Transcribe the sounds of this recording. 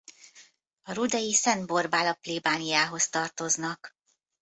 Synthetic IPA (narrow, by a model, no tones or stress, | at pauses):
ɒɾud̪ɛjisɛnd̪bo̞rbaːlɒpleːbaːnijaːɦo̞st̪ɒrt̪o̞znɒk